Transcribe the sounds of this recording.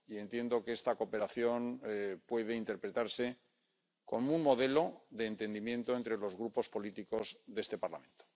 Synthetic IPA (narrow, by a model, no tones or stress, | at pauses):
ie̞nt̪je̞nd̪o̞keest̪ako̞pe̞ɾaθjo̞npwe̞ðeint̪e̞ɾpɾet̪aɾse̞ | ko̞munmo̞ðe̞lo̞ðe̞ːnt̪e̞nd̪imjẽ̞nt̪o̞ent̪ɾe̞lo̞zɣɾupo̞spo̞lit̪iko̞zðe̞st̪e̞paɾla̰mẽ̞nt̪o̥